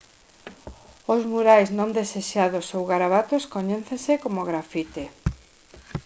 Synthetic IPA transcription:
ʊzmuɾajznõnd̪eseʃaðosowɣaɾaβat̪oskoɲeθẽsekomoɣɾafit̪e

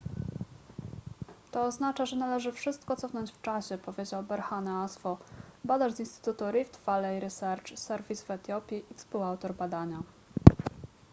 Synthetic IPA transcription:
t̪ɔːznat͡ʂaʐɛnalɛʐɘfʂɘst̪̚kɔt̪sɔfnɔɲt͡ɕft͡ʂaɕɛpɔvʲjed͡ʑawbɛɾxanɛasfɔbad̪aʐzinst̪ɘ̥t̪ut̪uɾift̪valɛjɾɛsɛɾt͡ʂsɛɾvʲisvɛt̪jɔpʲjiʔikspuwawt̪ɔɾbad̪aɲa

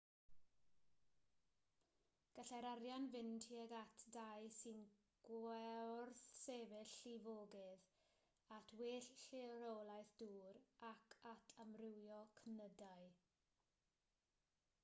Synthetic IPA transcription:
ɡ̥əɬaɾaɾjanvɪntʰiɛɡatʰdajsɨn | ɡ̥wɛrθsevɪɬivoːɡɪð | atʰweːɬɬiɾowlˠajθd̥uːɾakʰatʰamrɪwjɔkʰənədaɨ

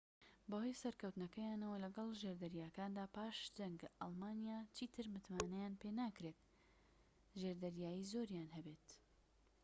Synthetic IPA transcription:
bɐho̞jsɐɾkɐwt̪nɐkɐjaːnɐwɐlɐɡɐlˠʒeɾd̪ɐɾjaːkaːnd̪aːpaːʃd̪ɐŋɡʔɑ̰lˠmaːnijaːt͡ʃiːt̪ʰɨɾmɨt̪maːnɐjaːnpenaːkɾet̪̚ | ʒeɾd̪ɐɾjaːjiːzoɾjanhɐbet̪

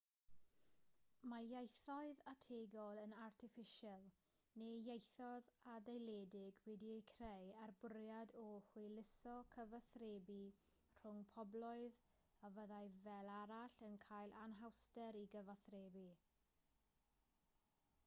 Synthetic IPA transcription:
majajθɔɨðatʰeːɡɔlˠənartʰɪfɪʃalˠ | nejejθɔðadejlɛdɪɡwɛdiekʰrejarbʊɾjadɔhwʊlɪsɔkʰəvaθreːbi | r̥ʊŋpʰɔblˠɔɨð | avəðajvɛlˠaɾaɬənkʰaːjlˠʔanɦawstɛɾiɡəvaθreːbi

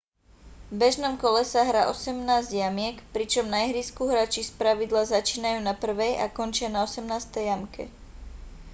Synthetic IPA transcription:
vbɛʒnɔmkɔlɛsaɦɾaːʔɔsɛmnaːzɟjamɪɛkpɾit͡ʃɔmnajɦɾiskuːɦɾat͡ʃispɾaʋid̪lazat͡ʃiːnajuːnapr̩ʋɛjʔa̰kɔnt͡ʃɪanaɔsɛmnaːst̪ɛjjamkʰɛ̰

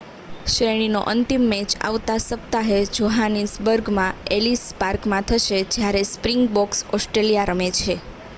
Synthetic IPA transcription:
ʃɾeɽ̃ino̰ʔənt̪imːɛt͡ʃa̰ʋt̪asəp̚t̪aɦed͡ʒoɦanisbəɾɡmãelispaɾkmãt̪ʰəʃed͡ʒjaɾespɾiŋɡ̚bɔksɔsʈɾelijaɾəmet͡ʃʰe

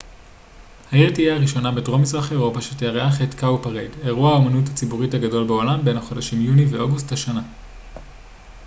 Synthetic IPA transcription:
hajetijaːʁiʃo̞nabedʁo̞mizʁaχe̞ʁo̞paʃetejaʁeaχetkawpaʁede̞ʁuahaomanuthat͡sibuʁitaɡado̞lbeo̞lambe̞nhaχo̞daʃimjuniveʔoɡusthaʃana

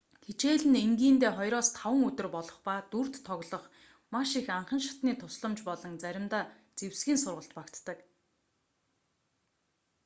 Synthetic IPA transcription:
xit͡ɕeːɮɘ̆neŋɡiːnt̪eːχɔjɾɔːst̪ʰawə̆ŋɵt̪ɵ̆rpɔɮɞ̆χpaːt̪ur̥t̪ʰːɔɣɮɞ̆χ | maʃixaɴχə̆nʃḁt̪niːt̪ʰʊsɮə̆mt͡ɕpɔɮɞ̆ŋt͡sæɾʲɪ̆mt̪aː | t͡sewsɡʲiːnsʊrʁə̆ɬt̪pakt̪ːə̆k

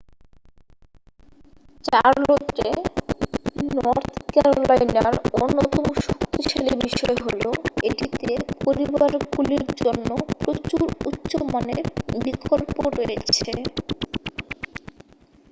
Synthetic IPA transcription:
t͡ɕaɾlot̪ɾe | nɔɾt̪ʰkɛɾolajna̰ɾonːot̪omoʃokt̪iʃalibiʃɔeɦoloeʈit̪epoɾibaɾɡuliɾd͡ʑonːopɾot͡ɕːuɾutːɕomaneɾbikʰolpoɾojet͡ɕʰe

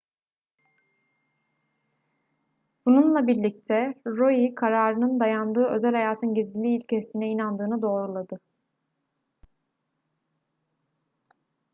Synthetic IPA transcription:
b̥ununlˠabiɾlʲic̚t̪ʰɛɾojikʰaɾaːɾɯnɯnd̪ajand̪ɯːø̞zælʲhajaːt̪ʰɯnɟizɟilʲiːlʲcʰesinɛinand̪ɯːnɯd̪o̞ːɾulˠad̪ɯ

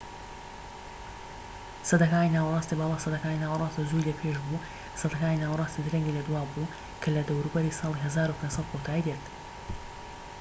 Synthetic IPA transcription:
sɐd̪ɐkaːninaːwɾˤɑːst̪ibɑːlˠɑːsɐd̪ɐkaːninaːwɾˤɑːst̪izuːjlɐpʰeʒbu | sɐd̪ɐkaːninaːwɾˤɑːst̪id̪ɾɐŋɡilɐd̪waːbu | kʰɐlɐd̪ɐwɾubɐɾiːsˤɑːlˠiɦɐzaːɾupʰeːnsɐt̪̚kot̪ʰaːd̪et̪

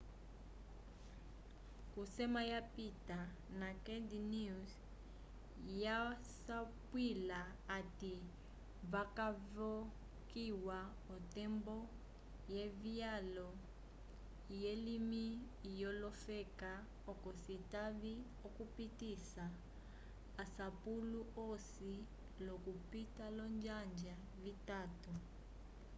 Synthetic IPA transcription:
kusɛmajapita | nakɛdnis | ja | sapwilaːti | βakavɔ | kiwa | ɔtɛmbɔ | jevialɔ | jelimiː | jɔlɔfɛka | ɔkɔsitaβi | ɔkupitisaː | sapuluosi | lɔkupitalɔnd͡ʒand͡ʒa | vitaːtu

